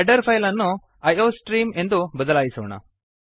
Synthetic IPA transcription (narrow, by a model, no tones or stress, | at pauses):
ɖəɾfajlanːu | ɐjosʈɾiːmend̪ubəd̪əlajsəʋɳa̰